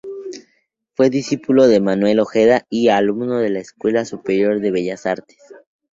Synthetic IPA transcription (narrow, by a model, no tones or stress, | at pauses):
fwe̞ðisipulo̞ðe̞manwe̞lo̞xe̞ðaialumno̞ðe̞laeskwe̞lasupeɾjo̞ɾðe̞β̞e̞ʝasaɾt̪e̥s